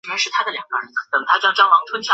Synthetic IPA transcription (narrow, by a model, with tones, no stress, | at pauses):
a˥ʂɻ̩˥˩t̪ʰa˥d̪ə˨ljɑ˨˩ŋɡ̥ə˧ɻə˧˥nkʰɤ˨˩t̪ə˧˩t̪ʰa˥t͡ɕjŋt͡ɕɑ˥ŋwɑ˧˥˩ŋt̪ʰwə˥nt͡ɕʰjɑ˥˧